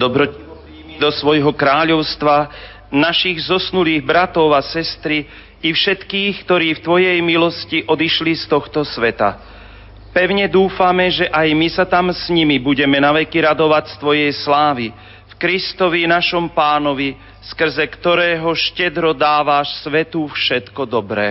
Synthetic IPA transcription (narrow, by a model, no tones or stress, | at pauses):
d̪ɔbɾɔ | d̪ɔsʋɔjɦɔkɾaːʎɔʊst̪ʋa | naʃiɣzɔsnuliːɣbɾat̪ɔʊasɛst̪ɾiː | fʃɛt̪kiːxkt̪ɔɾiːft̪ʋɔjɛjmilɔsciʔɔd̪iʃlist̪ɔxt̪ɔsʋɛt̪a̰ | pɛʊɲɛd̪uːfamɛʒɛʔajmisat̪amsɲimibuɟɛmɛnaʋɛkiɾad̪ɔʋacst̪ʋɔjɛjslaːʋi | fkɾist̪ɔʋinaʃɔmpaːnɔʋi | skr̩zɛkt̪ɔɾɛːɦɔʃcɛd̪ɾɔd̪aːʋaʃsʋɛt̪ufʃɛt̪kɔd̪ɔbɾɛ̰ː